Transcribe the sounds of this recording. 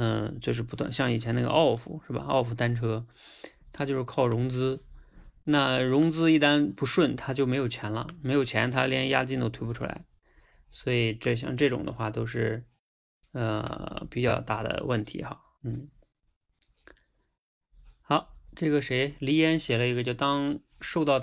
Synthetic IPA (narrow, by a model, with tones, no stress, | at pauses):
ə˥˧t͡ɕjo˥˧ʊʂ̬ɻ̩˥˩pu˧˥t̪wa̰˥˧˩nɕjɑ˥˩ŋi˨˩t͡ɕʰjɛ˧˥na˥˩ɡə̰˧ʔɑ˥˩ʊfṵ˨˩ʂɻ̩˥˩bɐ̰˩ɑ̰˥˧ʊfu˧˩t̪a˥nʈ͡ʂʰɤ˥ | t̪ʰa˥t͡ɕjo˥˧ʊʂɻ̩˥˧kʰɑ˥˩ʊɻʊ˧˥ŋt͡sɹ̩˥ | na˥˩ɻʊ˧˥ŋt͡sɹ̩˥i˥˩t̪a˥npu˧˥ʂwə˥˩nt̪ʰa˥t͡ɕjo˥˩ʊme˧˥ɪjo˨˩ʊt͡ɕʰjɛ˧˥nlə̰˧me˧˥ɪjo˨˩ʊt͡ɕʰjɛ˧˥nt̪ʰa˥ljɛ˥nja˥t͡ɕi˥˧ŋt̪o˥ʊt̪ʰe˥ɪpu˧˩ʈ͡ʂʰṵ˥la̰˧˥ɪ | swɔ˧˥i˨˩ʈ͡ʂɤ˥˩ɕ̬jɑ̰˥˧ŋʈ͡ʂɤ˥˩ʈ͡ʂʊ̰˨˩ŋd̪ə̰˦xwa˥˩t̪o˥ʊʂɻ̩˥˩ | ə̰˧pi˨˩t͡ɕjɑ˥˧ʊt̪a˥˩d̪ə̰˩wə˥˩nt̪ʰḭ˧˥xa˧ | n̩˥˩ | xɑ˧˥ʊʈ͡ʂɤ˥˩ɡə˩ʂe˧˥ɪli˧˥jɛ˥nɕjɛ˨˩lə˦i˧˥ɡə˧t͡ɕjo˥˩ʊt̪ɑ˥ŋ | ʂo˥˧ʊt̪ɑ˥˧ʊ